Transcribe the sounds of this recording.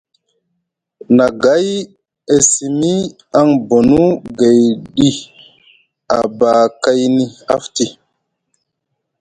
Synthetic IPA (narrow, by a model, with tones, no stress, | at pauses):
na˨ɡa˦j | e˦si˨mi˦ | a˦ŋbo˨nu˦ɡe˨jɗi˦ | a˨ba˨ka˦jni˦a˦fti˦